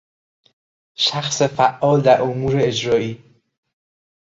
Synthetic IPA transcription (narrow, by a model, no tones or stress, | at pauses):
ʃæxsefæʔːɒːld̪æɾʔomuːɾeːd͡ʒɾɒːiː